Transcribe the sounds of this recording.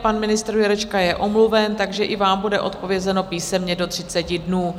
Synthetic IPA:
panmɪnɪst̪ɾjɛɾɛt͡ʃkajɛʔo̞mluvɛnt̪aɡʒɛʔɪvaːmbudɛʔot̪̚po̞vjɛzɛno̞piːsɛmɲɛdo̞t̪r̝̥ɪt͡sɛcɪdnuː

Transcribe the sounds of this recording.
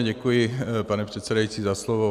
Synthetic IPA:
ɟɛkujɪpanɛpr̥ɛt̪sɛdajit͡sizaslɔʋɔ

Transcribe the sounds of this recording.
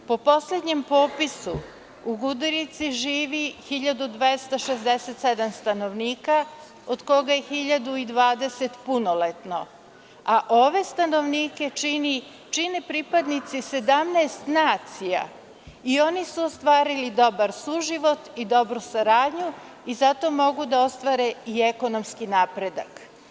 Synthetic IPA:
po̞po̞sled̪ɲempo̞ːpisu | uɡud̪uɾit̪siʒiːʋixiʎad̪ud̪ʋest̪aʃezd̪eset̪sed̪amst̪ano̞ʋniːka | od̪ko̞ɡajexiʎad̪uid̪ʋaːd̪e̞se̞t̪punolet̪no̞̰ | aʔoʋe̞st̪ano̞ʋniːke̞t͡ʃini | t͡ʃinepɾipad̪nit̪sise̞d̪amnaest̪naːt̪sija̰ | io̞nisuost̪ʋaːɾilid̪o̞baɾsuʒiʋo̞t̪id̪o̞bɾusaɾaːd̪ɲu | izat̪o̞mo̞ɡud̪ao̞st̪ʋaɾeieko̞nomskinaːpɾe̞d̪a̰k

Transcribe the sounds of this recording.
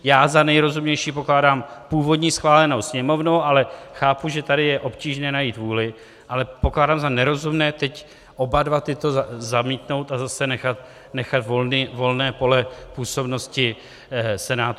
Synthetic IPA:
jaːzanɛjɾo̞zumɲɛjʃiːpo̞klaːdaːmpuːvo̞dɲiːsxvaːlɛno̞wsɲɛmo̞vnowʔalɛxaːpuʒɛt̪adɪjɛʔo̞pciːʒnɛːnajiːt̪vuːlɪ | ʔalɛpoklaːdaːmzanɛɾo̞zumnɛːt̪ɛc | ʔobadvat̪ɪt̪o̞zamiːt̪no̞wt̪azasɛnɛxat̪ | nɛxat̪volnivo̞lnɛːpo̞lɛpuːso̞bno̞scɪ | sɛnaːt̪

